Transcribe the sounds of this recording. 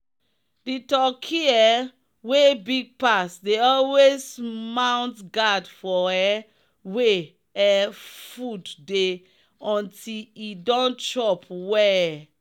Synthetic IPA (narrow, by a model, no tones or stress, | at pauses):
ditɔkʰiɛ | webiɡ̚pasdeɔlwesmãw̃ntɡadfɔɛ | we | ɛfudde | ɔ̃ntilidɔ̃nt͡ʃɔpwɛ